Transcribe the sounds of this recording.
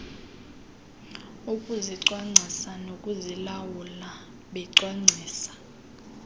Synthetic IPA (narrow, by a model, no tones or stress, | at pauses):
ukʼuziǀwaŋ͡ǀʱisanokʼuzilawula | ɓɛǀwaŋ͡ǀʱiːsḁ